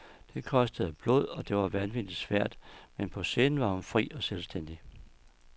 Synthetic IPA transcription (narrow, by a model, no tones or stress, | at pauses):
d̥e̝kʰɒ̽sd̥əð̩ˠæb̥loð̰ˠɒ̽d̥e̝ʋɑ̈ʋænʋid̥id̥sʋæɐ̰d̥menpʰɒ̽se̝nʋɑ̈hunfʁḭːɒ̽selsd̥en̰d̥i